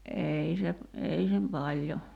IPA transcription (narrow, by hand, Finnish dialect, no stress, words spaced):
ʔei se ei sem pɑlʲjo